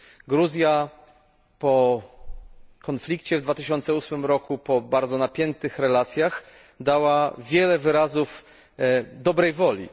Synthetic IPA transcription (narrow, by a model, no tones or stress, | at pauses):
ɡɾuzʲja | pɔ | kɔnflʲikt͡ɕɛvd̪vat̪ɘɕɔnt̪sɛusmɘmɾɔkupɔbaɾd̪zɔnapʲjɛnt̪ɘxɾɛlat̪sʲjax | d̪awavʲjɛlɛvɘɾazuf | d̪ɔbɾɛjvɔlʲḭ